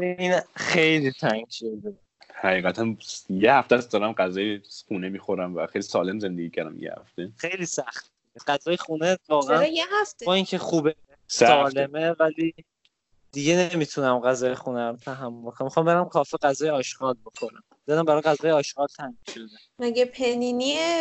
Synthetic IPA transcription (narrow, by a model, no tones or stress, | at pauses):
inxejlit̪ʰæŋɡʃod̪e | hæɣiːɣæt̪ʰænjehæft̪æsd̪ɒːɾæmɢæzɒːjeχuːnemiːxoɾæmvæxejlisɒːle̞mze̞nd̪eɡiːcʰæɾd̪æ̰mjḛhæ̰ft̪exe̞jliːsæxt̪̚dideɢæzɒːjexuːnevɒːɣeæjehæft̪bɒːiŋcʰexuːbe | sæɒːlemevæli | d̪̥iɟenemit̪ʰunæmɢæzɒːjexunæt̪ʰæɦæmːolbokonæmixɑːmbe̞ɾæmkʰɒːfeɣæzɒːjeɒːʃɡɒːlbo̞xʰo̞ɾæ̰m | d̥̪ed̪æmbæɾɒːjɣæzɒːjeɒːʃɡɒːlt̪ʰæŋɡʃod̪e | mæɡepʰeninie